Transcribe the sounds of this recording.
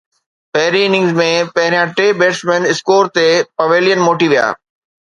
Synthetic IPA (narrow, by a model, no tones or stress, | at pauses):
pɛɦɾiɪnɪ̃ŋzmẽpɐɦɪɾijãʈeːbeːʈsmẽnɪskoːɾt̪epɐʋeːlɪjənmoːʈiʋija̰ː